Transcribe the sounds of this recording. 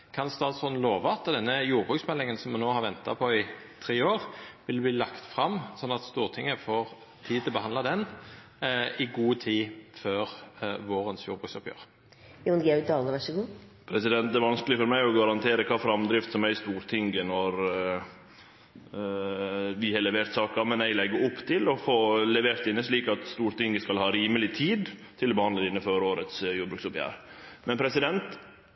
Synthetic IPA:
kʰɑnst̪ɑːd̪sɔnloːʋɑɑt̪d̪ɛnːəjuːʁbʁʉːksmɛlːɪŋənsɔmːunoːhɑɾʋɛnt̪ɑ̰pʰɔɪ | t̪ʰɾeːoːʁʋɪld̪bliːlɑkt̪fʁɑmsɔnːɑt̪st̪uːʁt̪ʰɪŋːəfɔʁ | t̪ʰiːd̪̚t̪ʰlbəhɑnd̪lɑd̪ɛn | ɪɡuːt̪ʰiːføːʁʋoːɾənsjṵːɾbʁʉːksɔpjø̰ːʁ | junɡɛʉd̪ɑləʋæʂəɡuːpʰɾɛsɪd̪ɛnt̪d̪ɛːʋɑnskəlɪfɔɾmæɪɔɡɑɾɑnt̪ʰeːɾəkʰɑːfɾɑmd̪ɾɪft̪sɔmæɪst̪uːɾt̪ʰɪŋɡənɔɾ | ʋɪhɑlɛʋeːɾt̪sɑːkɑmɛnælɛɡːəɾʊpːt̪ʰɪlɔfoːlɛʋeːɾt̪ɪnːəʂɭiːkɑt̪st̪uːɾt̪ɪŋɡəskɑlhɑːɾiːməlɪt̪ʰiːd̪t̪ʰɪlɔbəhɑnd̪əd̪ɪnːəføːɾoːɾət̪sjuːd̪bɾʉːksʊpjæ̰ːɾmɛnpʰɾɛsɪd̪ɛnt̪

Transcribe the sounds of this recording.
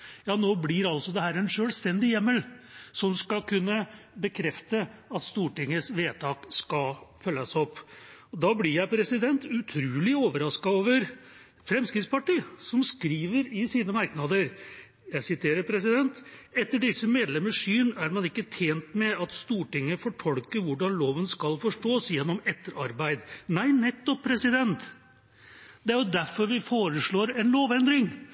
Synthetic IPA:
jɑːnoːblɪɾɑlsɔd̪ɛɦæːɾɛnʂøːlst̪ɛnd̪ɪjɛmːəlsɔmskɑkʰʉnːə | bəkʰɾɛft̪əɑt̪st̪uːʈɪŋːəsʋeːt̪ʰɑːkskɑfœlːɑsɔpːɔd̪ɑːblɪɾjæɪpʰɾɛsɪd̪ɛnt̪ʉt̪ʰɾʉːlɪoːʋəɾɑskɑoːʋəɾ | fɾɛmskɾɪt̪spɑʈiːsɔmskɾiːʋəɾɪsiːnəmɑɾknɑd̪əɾ | jæɪsɪt̪ʰeːɾəɾpʰɾɛsɪd̪ɛnt̪ɛt̪ːəɖɪsːəmeːd̪lɛməʂyːnæɾmɑnɪkːət̪ʰeːnt̪mɛɑt̪st̪uːʈɪŋːəfɔʈʰɔlkəɾʋʊɖɑnloːʋənskɑlfɔʂʈoːsjɛnːɔmɛt̪ːəɾɑɾbæɪd̪næɪnɛt̪ːɔpʰːɾɛsɪd̪ɛnt̪ | d̪̥ɛæɾjʊd̪æɾfɔɾʋɪfoːɾəʂɭoːɾɛnloːʋɛnd̪ɾɪŋ

